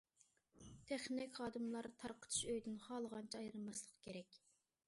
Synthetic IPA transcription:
t̪ʰeχnɪkʲχɑːd̪ɨmlˠɑɾt̪ʰɑɾqʰə̥t̪ʰu̥ʃøjd̪ynχɑːlˠəʁɑnt͡ʃʰɑɑjɾɨlˠmɑslˠəqkʲʰeɾɛkʲ

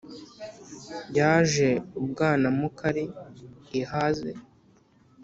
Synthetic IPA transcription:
bɟaːʒe̞ub̚ɡaːnamukaɾiː | hazḛ

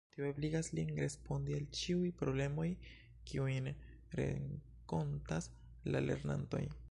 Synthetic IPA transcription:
tioebliɡaslinɾe̞spo̞ndialt͡ʃiujpɾo̞ble̞mo̞j | kʰiujn | ɾḛŋ | ko̞ntas | lale̞̰ɾna̰nto̞̰j

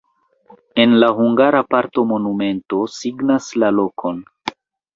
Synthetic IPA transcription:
e̞nlaɦuŋɡaɾapaɾto̞mo̞nume̞nto̞siɡnaslalo̞kʰo̞n

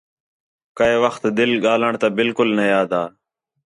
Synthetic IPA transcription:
kəeːʋəxt̪d̪ɪlɠaːləɳt̪abɪlkʊlnəjaːd̪aː

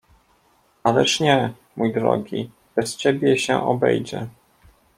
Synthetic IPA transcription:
alɛʂɲɛ | mujd̪ɾɔ̰ɡʲi | bɛst͡ɕebʲjɛɕɛ̰ʔɔbɛ̰jd͡ʑɛ

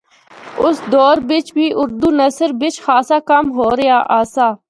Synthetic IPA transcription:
ʊsd̪oːɾbɪt͡ʃbʱiːʔʊɾd̪uːnəsəɾbɪt͡ʃxaːsaːkɐmɦoːɾɪjaːʔaːsaː

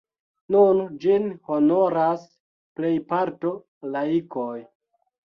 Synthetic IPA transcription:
nund͡ʒinho̞no̞ɾas | ple̞jpaɾto | laikoj

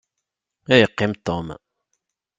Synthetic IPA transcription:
æjəqːɪmt̪om

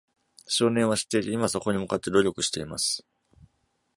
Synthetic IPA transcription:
ɕo̞ːnẽ̞ɰ̃βaɕi̥t̪ːe̞it̪eimaso̞ko̞ɲ̟imɯ̟kat̪ːe̞d̪o̞ɾʲo̞kɯ̟ɕi̥t̪e̞imasɨ̥

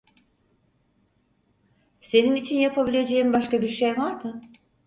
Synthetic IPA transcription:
se̞ninit͡ʃʰinjapʰabilʲe̞d͡ʒe̞jimbaʃkabiɾʃejvaɾmɯ

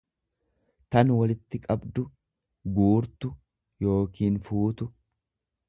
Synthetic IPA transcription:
t̪ɐnwɐlɪt̪ːɪkʼɐbd̪ʊ | ɡuːɾt̪ʊ | jo̞ːkiːnfuːt̪ʊ

